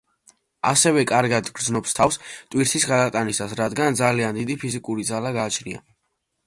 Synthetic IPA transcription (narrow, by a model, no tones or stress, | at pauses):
a̰sɛvɛkʼaɾɡad̪ɡɾd̪znɔpst̪ʰafst̪ʼwiɾt̪ʰisɡad̪at̪ʼanisasɾad̪ɡand̪zaliand̪id̪ipʰizikʼuɾid̪zalaɡaːt͡ʃʰɾḭa̰